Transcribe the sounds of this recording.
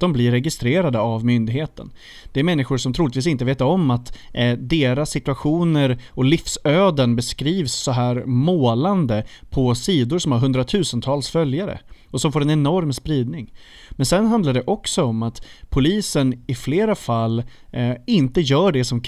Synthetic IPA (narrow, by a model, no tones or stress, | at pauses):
d̪̥ɔmblɪɾːɛɡɪst̪ɾeːɾad̪əavmʏnd̪ɪɡheːt̪ə̰n | d̪ɛæɾmɛnːɪɧʊɾʂɔmt̪ʰɾuːlɪt̪viːs̬ɪnt̪əveːt̪aɾɔmːat̪d̪eːɾasːɪt̪ɵaɧuːnəɾɔlɪfsøːd̪ənbɛskɾiːvsːɔɦæːɾmoːland̪əpʰɔsiːd̪ʊɾʂɔmhaɾɦɵnd̪ɾat̪ʰʉ̟ːsənt̪ʰɑːlsfœljaɾə̰ɔsɔmfoːɾɛnɛnɔɾmspɾiːd̪nɪŋ | mɛnsɛnɦand̪laɖɛʔɔksɔɔmːat̪pʰʊliːsənɪfleːɾafalː | ɪnt̪əjœːɖɛsɔm